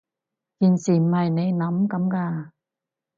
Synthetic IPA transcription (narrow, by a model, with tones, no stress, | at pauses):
ki˧˩nsi˨˩ma˨˧˩jne˧˦na˨˦mka˨˦mkaː˧˩